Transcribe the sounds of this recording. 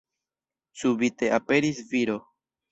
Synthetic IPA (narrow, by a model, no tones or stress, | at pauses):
subit̪e̞ape̞ɾisviɾo